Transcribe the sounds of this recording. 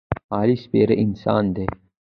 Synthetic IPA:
aːlispeːɾeʔinsa̰ːnd̪eː

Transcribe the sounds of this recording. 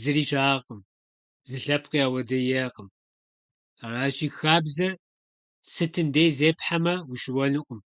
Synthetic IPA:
zɨriːʃaːqʼəm | zɨɬɐpʰqiaːwɐdɐjeːqəm | araːʒiːxaːbzɐ | sɨtʰɨndejzeːpħamɐwiʃɪwɐnɨqʷʼʊm

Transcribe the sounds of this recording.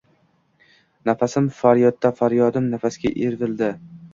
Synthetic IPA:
nafasɪmfaɾjɒd̪ːafaɾjɒd̪ɪmnafasɡʲaʔeɾvɪld̪ɪ

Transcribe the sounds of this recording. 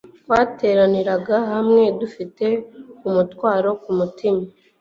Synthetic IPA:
wate̞ːɾaniɾaɡaɦamŋe̞dufite̞umutwaːɾo̞kumutima

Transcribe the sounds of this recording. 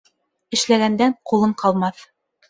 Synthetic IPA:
ɘ̆ʃlæɣænd̪æɴqulˠɤɴqʰɑlˠmɑθ

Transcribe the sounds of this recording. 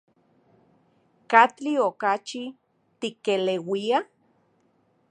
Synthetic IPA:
kat͡ɬiokat͡ʃi | t̪ikelewia

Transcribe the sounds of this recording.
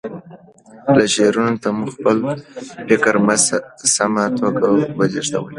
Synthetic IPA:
laʃeɾunot̪amuxpəlfɪkɾmazsamat̪ʰoɡawəd͡ʒeʃt̪a̰wəl

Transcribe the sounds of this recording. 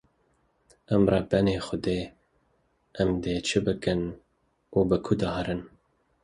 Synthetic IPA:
ɛmrɑːbɛneːxʊd̪eː | ʔɛmd̪eːt͡ʃʰɨbɨkɨn | uːbɨkʰʊd̪ɑːhɛɾɨn

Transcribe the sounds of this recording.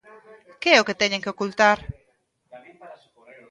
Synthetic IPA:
keɛoket̪ɛɲẽŋkeokult̪aɾ

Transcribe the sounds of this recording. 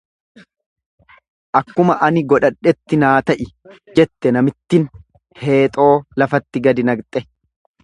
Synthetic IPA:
ʔɐkːʊmɐʔɐnɪɡɔᶑɐᶑːɛt̪ːɪnaːt̪ɐʔɪd͡ʒɛt̪ːɛnɐmɪt̪ːɪn | he̞ːt̪ʼo̞ːlɐfɐt̪ːɪɡɐd̪ɪnɐɡt̪ʼɛ

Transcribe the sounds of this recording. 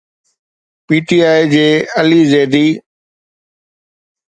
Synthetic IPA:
piːʈiːaːid͡ʑeːəliːzeːd̪iː

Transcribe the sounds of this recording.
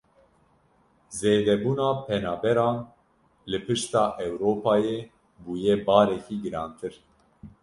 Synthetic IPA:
zeːd̪ɛbuːnɑːpʰɛnɑːbɛɾɑːn | lɨpʰɨʃt̪ɑːʔɛwɾoːpʰɑːjeː | buːjeːbɑːɾɛkiːɡɨɾɑːnt̪ʰɨɾ

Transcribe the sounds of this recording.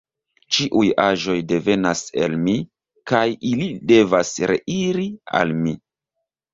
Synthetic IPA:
t͡ʃiʔujaʒo̞jde̞ve̞nase̞̰lmi | kajilide̞vasɾe̞̰ʔiɾia̰lmi

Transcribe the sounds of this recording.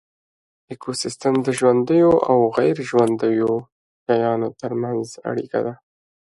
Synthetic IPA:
ekʰosɪst̪əmd̪əʒwand̪əjoʔawɣajɾʒwand̪əjo | jajɑnot̪əɾmanza̰ɽḭka̰d̪a

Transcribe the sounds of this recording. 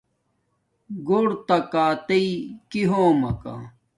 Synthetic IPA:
ɡoɽt̪ɐkaːt̪ɐikiɦoːmɐka̰

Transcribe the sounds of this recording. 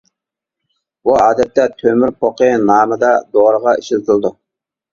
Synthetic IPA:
buɑːd̪ɛt̪ːɛt̪ʰømyɾpʰoqənɑːməd̪ɑd̪oɾəʁɑiʃɪlt̪ʰɨlˠd̪u

